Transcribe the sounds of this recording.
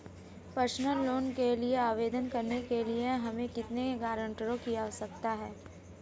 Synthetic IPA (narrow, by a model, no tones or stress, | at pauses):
pəɾsnəlːoːnkelieaːʋeːd̪ənkɐɾnekelieɦɐmẽkɪt̪neɡaːɾə̃ɳʈiɾõkijasɐk̚t̪aɦɛː